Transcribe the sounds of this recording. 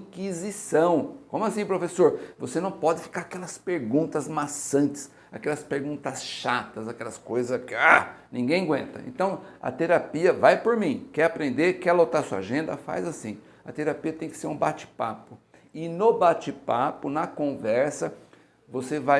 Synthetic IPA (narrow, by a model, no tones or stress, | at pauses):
ĩkizisɐ̃w̃kõmʊasĩpɾofesoɾvosenɐ̃w̃pɔd̪ɪfi̥kaɾakɛlɐspeɾɡũnt̪ɐzmasɐ̃nt͡ʃɪ̥s | akɛlɐspeɾɡũnt̪ɐsʃat̪ɐzakɛlɐskojzɐskɪanĩɡẽj̃ɡwẽnt̪ɐ̰ḛ̃nt̪ɐ̃w̃ɐ̰t̪eɾapiɐvajpoɾmĩkɛapɾẽnd̪ekɛlot̪asuɐa̰ʒẽnd̪ɐfa̰jzasĩ | ɐt̪eɾapiɐt̪ẽj̃kɪ̥seɾũbat͡ʃɪ̥pa̰pʊ | ɪnobat͡ʃɪpapʊnɐkõvɛɾsɐ | voseva